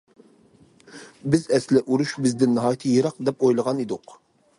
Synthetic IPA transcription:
bɪzɛslɪʔuɾuʃbɪzd̪ɪnːɨɦɑːjit̪ʰɨjeɾɑq̚d̪ɛpojlˠəʁɑnid̪ʊq

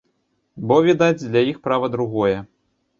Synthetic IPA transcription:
bɔvʲɛd̪ad͡zʲd̪lʲajixpɾavɐd̪ɾuɣɔjɛ

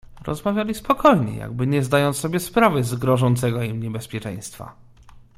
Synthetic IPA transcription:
ɾɔ̰zmavʲjalʲispɔkʰɔjɲɛ̰ja̰ɡ̚bɘɲɛzd̪ajɔnːɔbʲjɛspɾavɘzɡɾɔʐɔnt̪sɛɡɔimɲɛbɛspʲjɛt͡ʂɛ̰̃j̃st̪fa̰

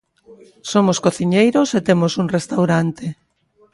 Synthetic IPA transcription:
somoskoθiɲejɾoset̪emosuŋrest̪awɾant̪e

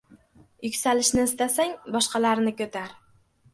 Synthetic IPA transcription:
jʊkʲsalɪʃnɪɪst̪asaŋbɒʃqɑlaɾnɪkʲɵt̪ʰaɾ

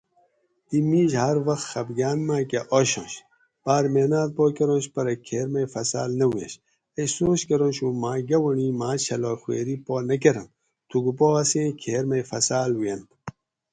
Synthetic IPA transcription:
imiːʑhɐɾwɐxt̪xɐbɡaːnmaːkeʔoɕõ̰ːɕ | b̥aːɾmeːnaːt̪̚poːkɐɾõːɕpɐɾɐkʰeːɾmɐjfɐsa̰ːlnɐwjḛɕ | ɐjsoːɕkɐɾõnɕuːmaːɡɐwɐɳiːmaːt͡ɕʰɐloːxwḛːɾiːpoːnɐk̬eɾɐn | t̪ʰuɡupoɐsẽːkʰeːɾmɐjfɐsaːlwijɐn

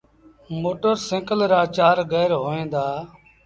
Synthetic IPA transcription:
moːʈəɾsẽːkəlɾaːt͡ʃaːɾɡɛːɾɦoːẽːnd̪aː

